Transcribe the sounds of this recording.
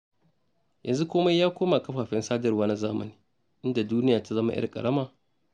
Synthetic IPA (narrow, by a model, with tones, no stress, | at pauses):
jʔɐ̰˨nzu˦kʷoː˦ma˦jːaː˦kʷoː˦ma˨kɐ˦ɸaː˨ɸɛ˦nsaː˦dɐ˨rwaː˦na˦zaː˦mɐ̰˨niː˨ | ʔɪ˦nda˨duː˦nɪ˦jaː˨ta˦zɐ˦ma̰˦ʔɪ̰˦˨kʼɐ̰˨ɽɐ˦maː˨